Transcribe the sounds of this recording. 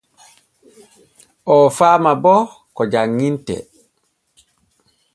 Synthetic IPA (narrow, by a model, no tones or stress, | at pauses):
ʔɔfaːmabɔ | kɔd͡ʒaŋːintɛ̰